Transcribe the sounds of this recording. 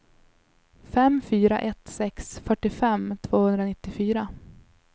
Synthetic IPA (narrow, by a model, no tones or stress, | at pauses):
fɛmfyːɾa̰ʔɛt̪sɛksfœʈːɪfɛmt̪ʰv̥oːhɵnd̪ɾanɪt̪ːɪfyːɾa